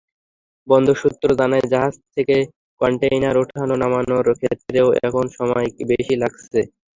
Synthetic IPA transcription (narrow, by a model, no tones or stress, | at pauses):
bɔnd̪ʱoʃut̪ːɾod̪aned͡ʑaɦad͡ʑt̪ʰeke | kɔɳʈejnaɾoʈʰanonamanoɾkʰet̪ːɾeoɛ̰kʰonʃɔmɔjibeʃilaɡsʰe